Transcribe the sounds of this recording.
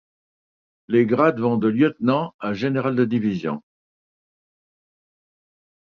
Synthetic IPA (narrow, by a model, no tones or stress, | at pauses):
leɡʁad̪vɔ̃d̪əljət̪nɑ̃aʒeneʁald̪əd̪ivizjɔ̰̃